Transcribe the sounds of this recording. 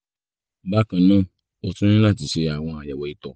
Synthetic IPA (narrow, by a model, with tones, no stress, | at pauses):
ba˦kã˧nã˦ | o˧tũ˦ĩ˦la˦˨t̬i˨˦ʃe˧a˨w̃ɔ̃˧a˨ja˨wɔ˨i˨tɔ˨